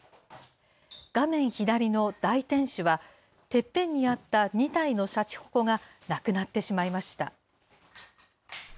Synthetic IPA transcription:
ɡ̥amẽ̞ɰ̃çid̪aɾʲino̞d̪̥ait̪ẽ̞ɰ̃ɕɨβa | t̪e̞pːẽ̞ɲ̟ːiat̪ːaɲ̟it̪aino̞ɕat͡ɕi̥ho̞̥ko̞ŋanakɯ̟nat̪ːe̞ɕimaimaɕi̥t̪a̰

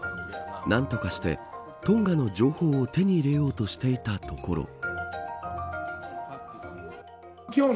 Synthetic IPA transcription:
nãnt̪o̞kaɕi̥t̪e̞̰ | t̪õ̞ŋɡano̞d͡ʑo̞ːho̞ːt̪e̞ɲ̟iːɾe̞jo̞ːt̪o̞ɕi̥t̪e̞it̪at̪o̞ko̞̰ɾo̰ | o

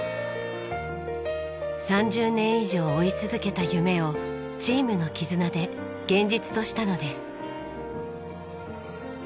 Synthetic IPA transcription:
sãɲd͡ʑɨːnẽ̞ɰ̃iʑo̞ːit͡sɨzɨke̞t̪ajɯ̟me̞o̞ | t͡ɕiːmɯno̞kʲizɨnad̪e̞ | ɡ̥ẽ̞ɲd͡ʑit͡sɨ̥t̪o̞ɕi̥t̪ano̞d̪e̞sɨ̥

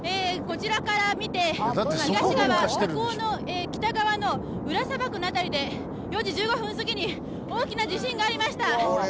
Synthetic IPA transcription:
eːko̞t͡ɕiɾakaɾamʲit̪e̞d̪at̪ːeɡaɕiɡaβaaɕt̪eɾkoːno̞ | eːkʲi̥t̪aɡaβano̞ | ɯ̟ɾasabakɯ̟nat̪aɾʲid̪e̞ | jo̞d͡ʑid͡ʑɨːɡo̞ɸɯ̟̃sɨɡʲiɲ̟i | o̞ːkʲinad͡ʑiɕĩŋɡaːɾʲimaɕi̥t̪a

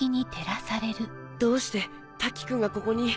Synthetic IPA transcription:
iɲ̟it̪ʰe̞ɾasaɾe̞ɾɯ̟ | d̪̥o̞ːɕi̥t̪e̞ | t̪akʲːi̥kɯ̟̃ŋɡako̞ko̞ɲ̟i

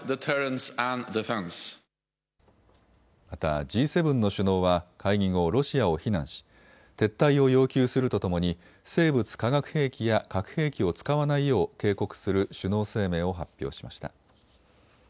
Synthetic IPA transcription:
ðətʰɛɹə̃nsæ̃nd̪ɪfɛ̃ns | mat̪a̰d͡ʑiːse̞bɯ̟̃nːo̞ɕɨno̞ːβakʰaiɡĩŋo̞ɾo̞ɕiao̞çinãɰ̃ɕi̥ | t̪e̞t̪ːaio̞jo̞ːkʲɨːsɨɾɯ̟t̪o̞t̪o̞mo̞ɲ̟i | se̞ːbɯ̟t͡sɨ̥kaɡakɯ̟̥he̞ːkʲijakakɯ̟̥he̞ːkʲio̞t͡sɨ̥kaβanaijo̞ːke̞ːko̞kɯ̟̥sɨɾɯ̟ɕɨno̞ːse̞ːme̞ːo̞ɦapʲːjo̞̰ːɕimaɕi̥t̪a̰

